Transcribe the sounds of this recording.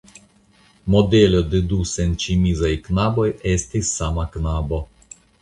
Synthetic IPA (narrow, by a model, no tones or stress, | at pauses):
mod̪ɛlʲɔd̪ed̪usɛnʲt͡ʃimizajknabojɛst̪isːamaknabo